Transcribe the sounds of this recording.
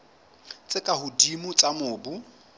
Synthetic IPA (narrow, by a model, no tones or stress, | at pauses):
t͡sʼɪkʼahʊdimʊt͡sʼamʊːbu